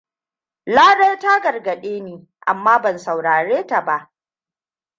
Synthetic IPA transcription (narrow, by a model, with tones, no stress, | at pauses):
laː˦ɽa˦jta˦ɡɐ˨rɡɐ˨ɗeː˦neː˨ | ʔa̰˨mːaː˦bɐ˨nsa˨wɽaː˨ɽeː˦ta˨ba˦ʔ